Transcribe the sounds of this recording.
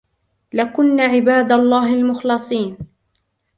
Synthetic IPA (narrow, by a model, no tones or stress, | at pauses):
lakʊnːaʕɪbaːd̪alˤːɑːɦɪlmʊxlɑsˤiːn